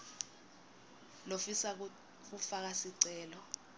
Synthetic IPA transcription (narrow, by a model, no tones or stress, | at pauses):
lofisa | k̬ufak̬asiǀɛːlɔ